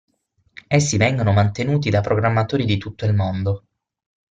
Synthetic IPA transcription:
esːivɛŋɡonomant̪enuːt̪̬id̪apːɾoɡɾamːat̪oːɾid̪it̪ut̪ːoilmond̪o

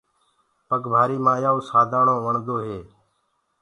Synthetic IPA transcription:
pəkbʱaːɾiːmãːjaːũːsaːd̪ʱaːɳõːʋəɳd̪oːɦeː

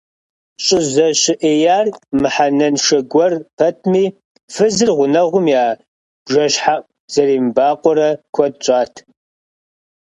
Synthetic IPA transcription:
ɕʼɪzɐɕɪʔejaːrmɨħanɐnʃɐɡʷɔrpʰɐtʰmiː | fɨzɨrʁʷʊnɐʁʷʊmjaː | bʒɐɕħa | z̥ɐriːmbaːqʷʼɔɾɐkʷʰɔd̚t͡ʃʼaːtʰ

